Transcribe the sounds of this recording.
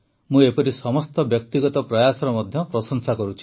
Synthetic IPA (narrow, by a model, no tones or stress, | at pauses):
mũepɔɾisɔmɔst̪ɔbjɔk̚t̪iɡɔt̪ɔpɾɔjasɔɾɔmɔd̪ʱjɔpɾɔsɔŋsakɔɾut͡ʃʰi̥